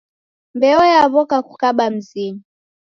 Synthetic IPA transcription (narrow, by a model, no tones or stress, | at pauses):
mbɛɔjaβɔkaku̥kaɓam̩zini